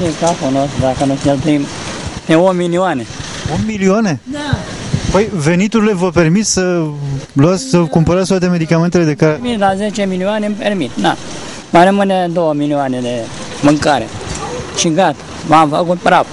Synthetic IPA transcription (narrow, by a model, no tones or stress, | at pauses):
ikafunosd̪akənuselp̪ɾim | t̪eomilioane | unmilioane̞ | pəjve̞nit̪uɾile̞vəpe̞rmit̪ssə | luat̪sʲsəkumpəɾat̪sʲt̪wat̪e̞me̞d̪ikame̞nt̪e̞le̞d̪e̞kaɾemit̪lazet͡ʃemilioanempermit̪na | maɾəmɨned̪o̞wəmilioaned̪e̞ | mɨŋkaɾḛʃiɡat̪ḁ | mamfə̰kut̪̚bɾav